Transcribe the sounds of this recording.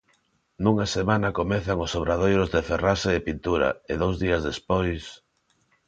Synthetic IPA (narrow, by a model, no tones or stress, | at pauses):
nuŋasemanakomeθaŋʊsoβɾaðojɾʊzðeferaseːpint̪uɾa̰eðowzðiɐzðespojs